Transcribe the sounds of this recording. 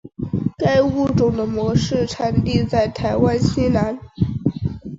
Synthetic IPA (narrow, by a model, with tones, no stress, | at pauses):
ka˥ɪu˥˩ʈ͡ʂʊ˨˩ŋd̪ə˦mwɔ˧˥ʂɻ̩˥˩ʈ͡ʂʰa˧˥nt̪i˥˧t͡sa˥˩ɪt̪ʰa˧˥ɪwa˥nɕi˥la˧˥n